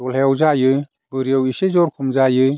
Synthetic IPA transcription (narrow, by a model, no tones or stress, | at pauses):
ɔlheawzajɯ | bɯɾijawisezɔɾkʰumzajɯ